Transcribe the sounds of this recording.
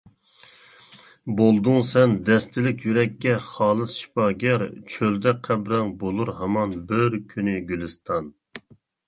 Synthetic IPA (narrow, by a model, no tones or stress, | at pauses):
bolˠd̪uŋsɛnd̪ɛst̪ɪlɪkʲjyɾɛkʲːɛχɑːlˠɨsʃi̥pɑːɡʲɛɾt͡ʃʰøld̪ɛqʰæbɾɛŋbolˠuɾhɑmɑnbɪɾkʲʰynɪɡʲylɨst̪ʰɑn